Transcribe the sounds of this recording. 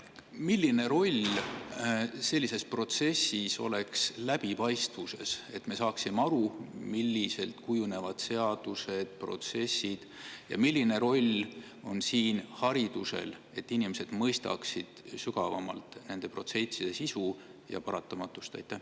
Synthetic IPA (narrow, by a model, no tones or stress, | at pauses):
milʲːine̞ɾo̞lʲ | se̞lʲːise̞spro̞t̪se̞sːiso̞̰le̞kslæb̥ipɑjst̪vuse̞se̞t̪ːme̞sɑːksimeɑɾumilʲːise̞lt̪kujune̞vɑd̪̥se̞ɑd̪̥use̞d̪̥̚pro̞̰t̪se̞sːid̪̥jɑ̰milʲːine̞ɾo̞lʲ | o̞nsiːnhɑɾid̪use̞̰l | e̞t̪ːinʲimese̞d̪̥mɤjst̪ɑ̰ksid̪̥syɡɑvɑmɑ̰lt̪ˑne̞nd̪̥e̞pro̞t̪se̞nt̪ʲid̪̥e̞sisujɑ̰pɑɾɑt̪ːˑɑmɑt̪ːˑu̥st̪ɑ̰jt̪ˑːæh